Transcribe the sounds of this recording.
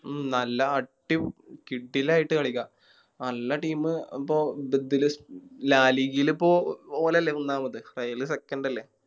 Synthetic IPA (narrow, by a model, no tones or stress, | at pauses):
nɐlːɐːʈːiʋkiɖːilaːjiʈːɨkɐɭikʲːa | nɐlːɐʈiːmɨipːoːbed̪ːilɨslaːliɣilipːoːoːlɐlːeunːaːmɐðɨrɐjɐlisekːɐɳɖɐlːe